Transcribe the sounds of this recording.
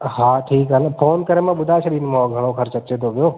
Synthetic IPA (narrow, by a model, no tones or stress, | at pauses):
ɦãʈʰiːkɦanpʰoːnkəɾemãɓʊd̪ʱat͡ʃʰeɗɪnmõɡʱəɽ̃okʰəɾt͡ʃət͡ʃet̪oʋjoː